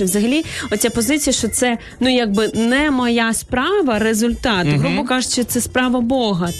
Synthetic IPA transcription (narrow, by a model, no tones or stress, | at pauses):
ʋzɐɦɐlʲiɔt̪ʲt͡sʲapɔzɪt͡sʲijɐʃt͡ʃɔt̪sɛ | nujaɡ̚bɪnɛmɔjɑspɾɑʋɐɾezʊlʲt̪ɑt̪ɦɾupʊkɑʒet͡ʃɪt̪sɛspɾɑʋɐbɔɦɐ